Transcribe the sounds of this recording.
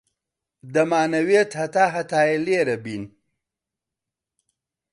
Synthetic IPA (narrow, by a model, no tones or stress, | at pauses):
d̪ɐmaːnɐwet̪hɐt̪aːɦɐt̪aːjeleːɾɐbin